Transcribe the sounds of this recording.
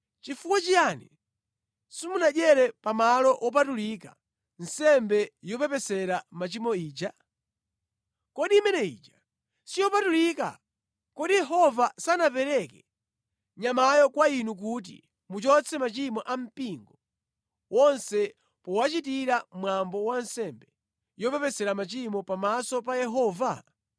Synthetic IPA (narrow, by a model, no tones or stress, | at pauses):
t͡ʃifukwat͡ʃijanḭ | simunaʄɛɾɛpamalɔʔɔp̬atulika̰ | n̩sɛmbɛjɔpɛpɛsɛɾamat͡ʃimɔiːd͡ʒa | kɔɗimɛnɛḭːd͡ʒa | sijɔpatulika̰ | kɔɗijɛɦɔvasanap̬ɛɾɛkɛ | ɲamajɔkwainuk̬ut̬ḭ | mut͡ʃɔt͡sʰɛmat͡ʃimɔʔam̩piŋɡɔ | wɔnsɛ | pɔwat͡ʃit̬iɾamwambɔwansɛmbɛ | jɔpɛpɛsɛɾamat͡ʃimɔpamasɔp̬ajɛɦɔːva̰